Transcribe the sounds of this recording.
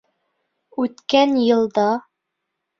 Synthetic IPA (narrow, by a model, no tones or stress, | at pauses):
ʉt̪kænjɤ̆lˠd̪ɑ